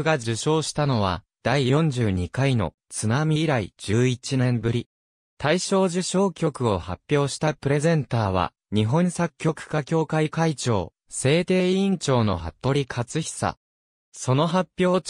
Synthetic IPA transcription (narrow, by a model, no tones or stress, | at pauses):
ɡad͡ʑɨɕo̞ːɕi̥t̪ano̞β̞a̰ | d̪̥aijõ̞ɲ̟d͡ʑɨːɲ̟ikaino̞̰ | t͡sɨnamʲiːɾaḭd͡ʑɨːit͡ɕinẽ̞mbɯ̟ɾʲi | t̪aiɕo̞ːʑɨɕo̞ːkʲo̞kɯ̟o̞hapʲːjo̞ːɕi̥t̪apɯ̟ɾe̞zẽ̞nt̪aːβa̰ | ɲ̟iɦõ̞ñsakʲːo̞kɯ̟̥kakʲo̞ːkaikait͡ɕo̞̰ː | se̞ːt̪e̞ːĩɲt͡ɕo̞ːno̞̰ɦa̰t̪ːo̞ɾʲikʰat͡sɨçʲi̥sa̰ | so̞no̞ɦapʲːjo̞ː